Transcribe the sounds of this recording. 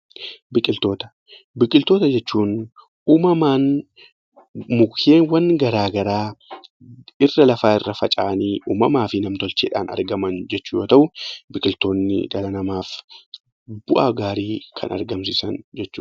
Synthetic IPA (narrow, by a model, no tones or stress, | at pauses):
bɪkʼɪlt̪o̞ːt̪ɐ̥ | bɪkʼɪlt̪o̞ːt̪ɐd͡ʒɛt͡ʃːuːn | ʔuːmɐmaːn | mʊkʰeːnwɐŋɡɐɾaːɡɐɾaː | ɪrːɐlɐfaːɪrːɐfɐt͡ʃʼaːniːʔuːmɐmaːfɪnɐmt̪ɔlt͡ʃeːᶑa̰ːnɐ̰ɾɡɐmɐnd͡ʒɛt͡ʃːuːjoːt̪ɐʔʊbɪkʼɪlt̪o̞ːnːɪ̰d̪ɐlɐnɐmaːf | bʊʔaːɡaːɾiːkʰɐ̰nɐ̰ɾɡɐmsɪsɐnd͡ʒɛt͡ʃːṵːn